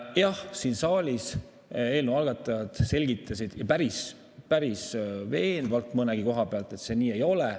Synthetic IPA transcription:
jɑhsiːnsɑːlʲis | e̞ːlnuɑlɡ̥ɑt̪ːˑɑjɑd̪̥se̞lʲɡit̪ˑːɑsid̪̥jɑpæɾis | pæɾisve̞ːnvɑlt̪ˑmɤnɛɡ̥iko̞ɦɑpeɑlt̪ˑe̞t̪se̞ːniːe̞jo̞lɛ

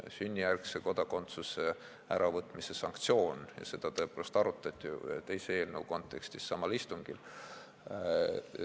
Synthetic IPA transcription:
synʲːijærkseko̞d̪̥ɑko̞nt̪suse̞ | æɾʔɑvɤt̪ˑmise̞sɑŋkt̪sio̞ːnjɑ̰se̞d̪̥ɑt̪ɤpovɑst̪ɑɾut̪ːˑɑt̪ʲːˑḭt̪e̞jsee̞ːlnəwko̞nt̪ːˑe̞kst̪isːɑmɑlist̪uŋɡ̥il

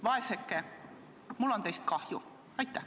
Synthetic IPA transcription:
vɑe̞sekːe | mulːo̞nt̪e̞jst̪̚kɑhjṵ | ɑjt̪ˑːæh

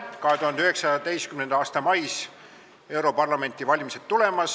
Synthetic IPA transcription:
kɑɦet̪uhɑnd̪̥yhe̞ksɑd̪e̞jst̪kymnend̪̥ɑːst̪ɑmɑjs | e̞wɾo̞pɑrlɑme̞nʲt̪ːivɑlʲimise̞d̪̥t̪ːule̞mɑs

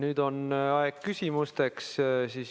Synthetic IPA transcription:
nyːd̪̥o̞nɑeɡ̥kysʲimust̪e̞kssiːs

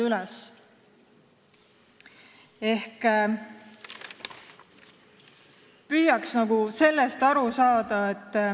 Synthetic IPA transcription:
ylɛs | e̞hk | pyːjɑksnɑɡuse̞lːest̪ɑɾusɑːd̪̥ɑe̞t̪ː

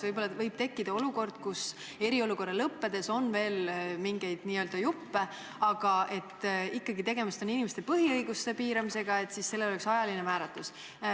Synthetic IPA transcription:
vɤjb̥o̞lːɑvɤjb̥̚t̪e̞kːid̪̥ɑo̞luko̞rd̪̥kus | e̞ɾio̞luko̞rːelɤpːe̞d̪̥e̞so̞nve̞ːlmiŋɡ̥e̞jd̪̥niːø̞ld̪̥ɑjupːe̞ | ɑɡ̥ɑʔe̞t̪ːikːɑɡit̪e̞ɡ̥e̞mist̪o̞ninʲimest̪e̞pɤɦiɤjɡust̪e̞piːɾɑmise̞ɡ̥ɑe̞t̪ːˑsisːe̞lːe̞loleksɑjɑlinemæːɾɑt̪ːˑus

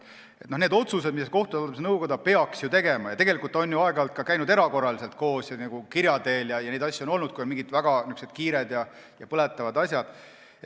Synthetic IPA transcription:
et̪nohned̪o̞t̪suse̥miseko̞ht̪ud̪olːepsenɤwkod̪ɑpe̞ɑksjut̪e̞ɡemɑjɑt̪eɡe̞likult̪ːˑɑonjuɑeɡ̥ɑlt̪̚kɑkæjnud̪e̞ɾɑko̞rːɑlise̞lt̪̚ko̞ːsjɑnɑɡ̥ukiɾʲjɑd̪e̞ːljɑjɑne̞d̪ɑsʲːɑo̞no̞lnud̪̥kujmiŋɡid̪̥væɡ̥ɑnyksed̪kiːɾed̪̥jɑ | jɑpɤlet̪ːˑɑvɑd̪ɑsʲjɑd̪̥

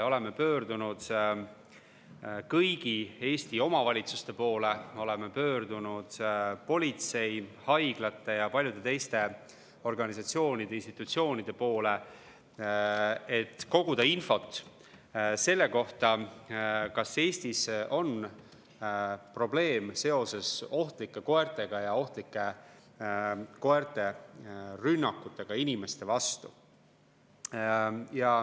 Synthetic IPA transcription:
o̞le̞mepø̞ːɾd̪unud̪̥ | kɯjɡ̥ie̞ːst̪io̞mɑvɑlʲit̪su̥st̪e̞po̞ːle̞mo̞le̞mepø̞ːɾd̪̥unud̪̥po̞lʲit̪se̞jhɑjɡ̥lɑt̪ːˑe̞jɑpɑlʲjud̪̥e̞t̪e̞jst̪e̞ | o̞rɡ̥ɑnisɑt̪sio̞ːnid̪̥e̞inst̪it̪ːˑut̪sio̞ːnid̪̥e̞po̞ːle̞ | et̪ːko̞ɡ̥ud̪̥ɑinfo̞t̪ːˑ | se̞lːe̞ko̞ht̪ɑ | kɑse̞ːst̪iso̞n | pro̞ble̞ːmse̞o̞se̞so̞ht̪likːˑeko̞ert̪ˑe̞ɡ̥ɑjɑo̞ht̪likːˑe̞ | ko̞eɾt̪e̞ | rynːɑkˑːut̪ːˑe̞ɡ̥ɑinʲime̞st̪e̞vɑst̪u | jɑ

